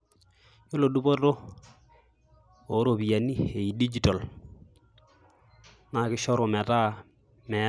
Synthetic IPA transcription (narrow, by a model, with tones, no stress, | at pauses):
jo˦lo˨du˦bo˦to˦ | o˨˦ɾo˨bi˨ja˨ni˦e˨i˨di˦d͡ʒi˨tɔ˨l | na˨kɪ˦ʃɔ˦ɾo˨mɛ˨ta˦ | mɛ˨